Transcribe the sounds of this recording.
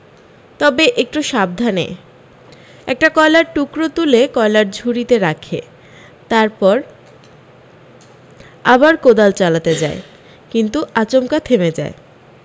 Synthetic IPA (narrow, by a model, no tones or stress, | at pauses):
t̪ɔbeʔek̚ʈuʃab̚d̪ʱanḛ | ɛk̚ʈakɔelaɾʈukɾot̪ulekɔelaɾd͡ʑʱuɾit̪eɾakʰḛ | t̪aɾpɔɾ | abaɾkod̪alt͡ɕalat̪ed͡ʑae | kint̪uʔat͡ɕomkat̪ʰemed͡ʑa̰e